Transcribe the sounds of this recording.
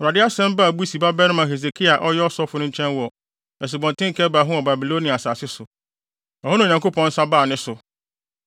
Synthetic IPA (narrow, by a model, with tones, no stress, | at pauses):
ɾa˨dɪ˦a˦sɛ̃˦mba˦˨bu˦si˨ba˦bɛ˦nɪ̃˦mã˨ɦe˨ze˨kʰi˦a˨ʔɔ˦jɛ˦ɔ˦sɔ˦fʊ˨˦nʊ̃˦ɲ̩˦t͡ɕʰɛ̃˦nwɔ˨ | ɛ˨s̬ɪ˨bɔ̃˨n˨tʰɪ̃˦ŋ̩˨kʰɛ˦ba˨ɦʊ̃˦ɔ˨ba˨bi˨lo˦nĩ˨a˨saː˨sɪ˦sʊ˨ | ɔ˨hʊ˦nʊ̃˦˨ɲã˨ŋko˦pʰɔ̃˦n̩˦sa˦baː˦˨nɪ̃˦sʊ˨